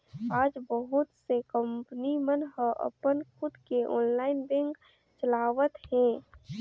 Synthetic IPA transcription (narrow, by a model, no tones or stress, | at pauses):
aːd͡ʒbəɦʊt̪sekəmpnimənɦəʔə̰pənkʰʊd̪keʔɔ̰ːnlaːɪnbɛ̃ŋk | t͡ʃəlaːʋət̪ɦɛ̃